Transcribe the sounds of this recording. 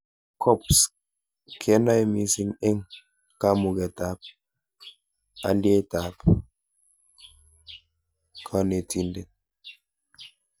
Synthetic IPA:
kʰɔ˦ps | kʰe˨˦nɔ˦e˦mi˨si˦˨ne˦ŋ | ka˦mu˨ɡe˨ta˨p̚ | a̰˨ndi˦e˦ta˨p | kʰɔ˦ne˨ti˨nde˨n

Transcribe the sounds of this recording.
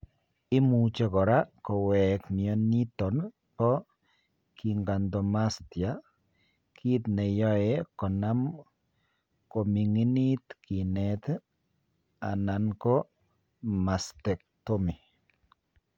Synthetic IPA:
i˦mu˨t͡ʃe˨kɔ˨ɾa˦ko˨wɛ˨kmiɔ˨ni˦tɔ˨n | pɔ˦ | ki˨ŋɡa˨nd̪o˨ma˦stja˦ | kʰi˦tne˨jɔ˦e˦kɔ˨na˦m | ko˨mi˨ŋi˦ni˦t̪ki˨nɛt̪ | a˨na˨nko˦ | ma˨st̪e˨k̚to˦mi˨

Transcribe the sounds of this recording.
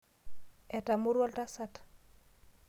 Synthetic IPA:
ɛ˨ta˨mu˦ɾwɔ˦lta˦sat

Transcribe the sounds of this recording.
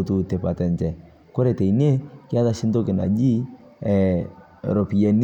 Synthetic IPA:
tu˨te˨pa˨tɛ˨ntɛ˨ | ko˦ɾe˨te˨i˨ne˦kɪ˦a˦ða˦ʃɪ˦nto˦kɪ˨na̰˨d͡ʒi˦ | ɛ˨ | ɾɔ˨pi˨ɛ˨n

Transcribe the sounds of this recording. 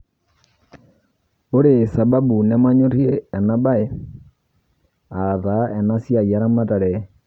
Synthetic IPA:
o˦ɾe˨sa˨ba˦bu˨ne˦ma˦ɲo˦ɾjeː˦˨na˦ba˦e˨˦ | a˨ða˨ɛ˨na˦sja˨i˨a˦ɾa˦ma˦ta˨ɾɛ˨

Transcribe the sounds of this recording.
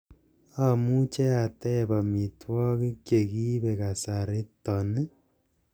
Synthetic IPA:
a˦mu˦t͡ʃe˦a˨tɛ˦ba˨mi˨twɔ˦ki˦kje˨ki˦βe˨ka˨sa˨ɾe˦tɔ˨ne˦

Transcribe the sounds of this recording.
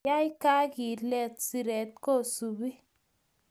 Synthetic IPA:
a˦i˦ka˦ki˨lɛ˧˨t̪si˧ɾɛ˨t̪̚kɔ˦˨su˨bi˦

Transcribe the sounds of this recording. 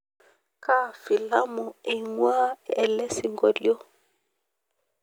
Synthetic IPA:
ka˦fi˨la˦mu˨i˨ŋwaː˦ɛ˨lɛ˦si˨ŋɡɔ˦ljɔ˦

